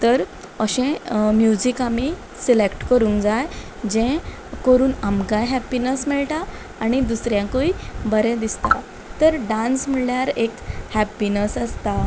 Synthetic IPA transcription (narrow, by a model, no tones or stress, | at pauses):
t̪əɾ | əɕɛ̃mjud͡ʑikami | silekʈkəɾũːŋkd͡zaj | d͡ʑɛ̃ | kəɾuːnamɡajɦɛpinəsmiɭʈaː | ñid̪usɾjãkuibəɾɛ̃d̪ist̪a̰ | t̪əɾɖãnsmiɭljaɾekhæpinəsəst̪a